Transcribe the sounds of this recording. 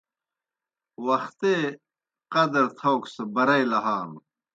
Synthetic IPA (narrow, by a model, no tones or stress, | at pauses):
wɐxt̪e | qɐd̪ɾt̪ʰowksebɐɾɐjlɐɦaːn